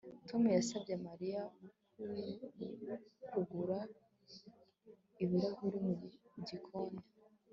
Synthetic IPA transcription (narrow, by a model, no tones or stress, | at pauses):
tʰo̞mujasabɟemaɾija | kuɡuɾa | iβiɾahuɾimuɟikʰonda